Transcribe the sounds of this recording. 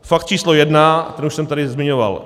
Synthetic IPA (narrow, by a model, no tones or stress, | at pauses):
fak̚t̪t͡ʃiːslojɛdnat̪ɛnuʃsɛmt̪aɾɪzmɪɲova̰l